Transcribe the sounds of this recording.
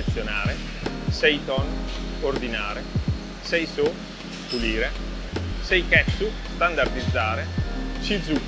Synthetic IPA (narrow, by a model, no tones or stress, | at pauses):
t̪sːjonaːɾe | sɛjt̪ɔnord̪inaːɾe | sɛjso | t̪uliːɾe | sɛjkɛsust̪and̪ard̪id̪zːaːɾet͡ʃid̪zːu